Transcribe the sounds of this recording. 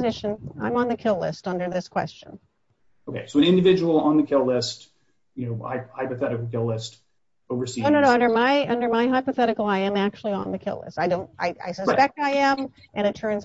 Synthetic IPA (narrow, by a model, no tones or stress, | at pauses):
zɪʃɨ̃nã̰ɪ̃mə̃nðɨkʰɪlɪ̰stʌ̃ndə˞ðɪskʰw̥ɛ̰st͡ʃɨ̃n | oʊkʰeɪsoʊɨ̃ñɪ̃ndɨvɪd͡ʒəwl̩ˠə̃nðɨkʰɪlˠlɪst | jɨnoʊhaɪphaɪpɨθɛɾɨkl̩ˠkʰɪlɪst | oʊvə˞sioʊnõʊnoʊʌ̃ndə˞maɪʌ̃ndə˞maɪɦaɪpɨθɛɾɨkl̩ˠaɪɨ̃ɪ̃mæk̚t͡ʃul̩ˠiə̃nðɨkʰɪ̰lˠɪ̰staɪdõʊ̃nt̚a̰ɪʔa̰ɪsɨspɛk̚taɪɨ̃m | ʔɨ̃ñɨtʰɜ̃˞nz